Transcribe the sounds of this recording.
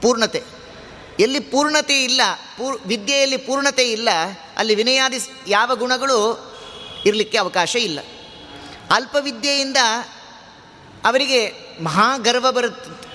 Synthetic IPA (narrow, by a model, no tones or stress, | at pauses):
puːɾɳɐt̪e | elːipuːɾɳɐt̪eilːɐ | puːɾʋid̪jɐjɐlːipuːɾɳɐt̪eilːɐ | ɐ̰lːiʋinɐjaːd̪is | jaːʋɐɡuɳɐɡɐɭu | iɾɐlikːe̞ɐʋɐkaːʃɐilːɐ̰ | ɐlpɐʋid̪jɐjind̪ɐ | ʋɐɾiɡe̞ | mɐɦaːɡɐɾʋɐbɐɾut̪ːe